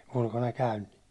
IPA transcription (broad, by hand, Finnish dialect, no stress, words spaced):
ulkonɑ kæyn ni̥